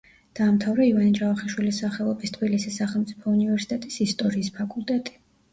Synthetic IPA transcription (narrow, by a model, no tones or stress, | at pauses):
d̪̥aːmt̪ʰavɾɛivanid͡ʒʼavaχɛʃwilisaχɛlˠɔbist̪ʰb̥ilisisaχɛlˠmt̪sʼipʰɔunivɛɾsi̥t̪ʼɛt̪ʼisist̪ʼɔɾiːspʰakʼulˠt̪ʼɛt̪ʼi̥